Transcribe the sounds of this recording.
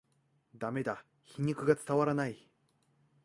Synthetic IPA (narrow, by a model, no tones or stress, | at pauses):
d̪ame̞d̪a | çiɲ̟ʲikɯ̟ɡat͡sɨ̥t̪aβaɾanai